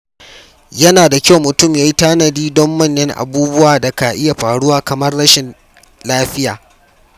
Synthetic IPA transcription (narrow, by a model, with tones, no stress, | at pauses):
jɐ˦naː˨da˨kʲa˦wmːʊ˨tʊ˦˨mjaː˦ji˦taː˦nɐ˨diː˦dɔ˦mwɐ˦nːɛ˦ŋʔa̰˨buː˦bʊ˦waː˨dɐ˨ka˨ʔɪ˦ja˨ɸaː˨ɽʊ˦waː˨kɐ˨mɐ˦rːɐ˦ʃɪ˨n | laː˦ɸɪ˦ja̰ː˨